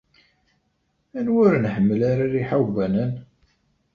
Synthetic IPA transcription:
ænwʊɾnħəmːəlaɾaɾiħawvænən

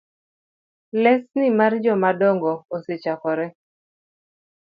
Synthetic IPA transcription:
lɛsnɪmard͡ʒɔmadɔŋɡɔːset͡ʃakɔɾɛ

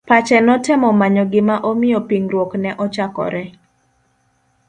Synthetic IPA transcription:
pat͡ʃɛnɔtɪmɔmaɲɔɡɪmaʔɔmɪɔpiŋɾwoknɛʔɔt͡ʃakɔ̰ɾɛ

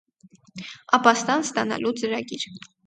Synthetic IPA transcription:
ɑpɑst̪ɑnst̪ɑnɑ̰lʔut͡səɾɑɡiɾ

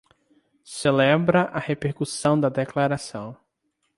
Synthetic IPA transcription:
selɛbɾɐʔɐhepeɾkusɐ̃w̃d̪ɐd̪eklaɾasɐ̃w̃

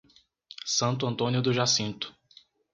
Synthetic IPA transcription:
sɐ̃nt̪ʊɐ̃nt̪õnjʊd̪ʊʒasĩnt̪ʊ̥

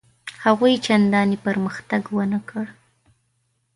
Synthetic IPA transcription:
haɣujt͡ʃand̪ɑnipəɾməxt̪aɡwənakəɽ

